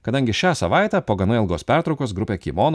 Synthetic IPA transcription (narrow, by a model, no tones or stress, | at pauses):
kɐd̪ɐŋʲɡʲɪʃʲæːsɐʋɑˑɪt̪ʲæpoːɡɐnɐɪlˠɡoːspʲæɾt̪ɾɒʊkoːsɡɾʊpʲeːkʲiːmoːn